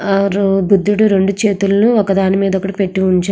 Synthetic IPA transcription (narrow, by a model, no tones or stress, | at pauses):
bud̪ːuɽuɾe̞ɳɖut͡ʃe̞ːt̪ulluɔkɐd̪aːnimiːd̪ɔkːɐɽipe̞ʈːuuɲt͡ʃa